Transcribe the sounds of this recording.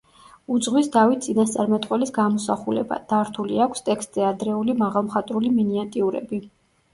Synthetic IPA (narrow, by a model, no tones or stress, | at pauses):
ud̪zʁwisd̪avit̪̚ʰt̪sʼinast̪sʼaɾmɛt̪ʼqʼwɛlisɡamɔsaχulɛ̰ba̰d̪̥aɾt̪ʰuliakʷʰst̪ʼɛkst̪ʼzɛad̪ɾɛulimaʁalˠmχat̪ʼɾuliminiat̪ʼiuɾɛ̰bi